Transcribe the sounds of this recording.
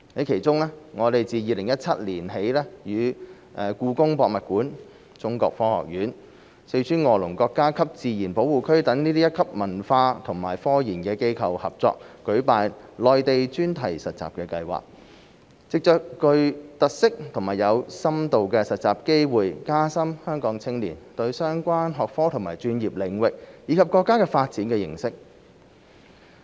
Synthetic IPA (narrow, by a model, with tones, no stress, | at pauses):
hɐ˨˥jkʰe˨˩jt͡sʊ˥ŋlɛː˥ŋɔː˨˧t̪e˨jt͡siː˨˧jiː˨˧lɪ˨˩ŋjɐ˥t̚t͡sʰɐ˥t̚liː˨˩nɦe˨˥jlɛː˥jyː˨˧ | ʔɛ˧kuː˧kʊ˥ŋpɔː˧k̚mɐ˨t̚kuː˨˥n | t͡sʊ˥ŋkɔ̰ː˧k̚fɔː˥hɔ̰ː˨k̚jyː˨˥n | se˧jt͡ʃʰyː˥nŋɔː˧˩lʊ˨˩ŋkɔː˧kːaː˥kʰɐ˥p̚t͡siː˨jiː˨˩npo˨˥wuː˨kʰɵ˥ɥt̪ɐ˨˥ŋniː˥t̪iː˥jɐ˥t̚kʰɐ˥p̚mɐ˨˩nfaː˧t̪ʰʊ˨˩ŋmaː˨˩jfɔː˥jiː˨˩nkɛː˧ke˥jkʰɐ˨whɐ̰˨p̚t͡sɔ̰ː˧k̚kːɵ˨˥ɥpaː˨˧jlɔː˨˧jt̪e˨jt͡ʃyː˥nt̪ʰɐ˨˩jsɐ˨t̚t͡sa̰ː˨pkɛː˧kɐ˧jwa̰ː˨k̚ | t͡sɪ˨k̚t͡ʃœː˨kːɵ˧ɥt̪ɐ˨k̚sɪ˥k̚t̪ʰʊ˨˩ŋmaː˨jɐ˨˧wsɐ˥mt̪o˨wkɛː˧sɐ˨t̚t͡sa̰ː˨p̚ke˥jwuː˨jkaː˥sɐ˥mhœː˥ŋkɔː˨˥ŋt͡sʰɪ˥ŋlḭː˨˩nt̪ɵ˧ɥsœː˥ŋkʷaː˥nɦɔː˨k̚fɔː˥t̪ʰŋma̰ː˨˩jt͡ʃyː˧njiː˨p̚lɪ˨˩ŋwɪ˨k̚jiː˨˧kʰɐ˨p̚kɔː˧kːaː˥kɛː˧faː˧t̚t͡siː˨˥nkɛː˧jɪ̰˨˩ŋsɪ˥k̚